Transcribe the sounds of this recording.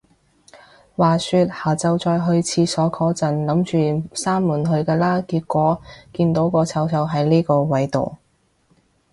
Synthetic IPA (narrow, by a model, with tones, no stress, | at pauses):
waː˨syː˧t̚haː˨˩t͡sɐ˨˧wt͡sɔː˧jɦɵ˧ɥt͡sʰiː˧sɔː˨˥kʰɔː˧t͡sɐ˨˩nlɐ˨˥mt͡ʃyː˨saː˥mːuː˨˩nɦɵ˧ɥkɛː˧laː˥kiː˧t̚kʷɔː˨˥kiː˧nt̪o˨˥wkɔː˧t͡sʰɐ˨˧˥wsʰɐ˨˥wɦɐ˨˧˥jliː˥kɔː˧wɐ˨˥jt̪o̰˨˩w